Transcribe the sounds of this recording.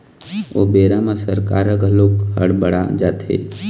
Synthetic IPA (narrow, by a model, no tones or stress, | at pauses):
o̰ːbeːɾamasəɾkaːɾəɡəloːkɦə̰ɽbəɽa̰d͡ʒaːt̪ʰḛː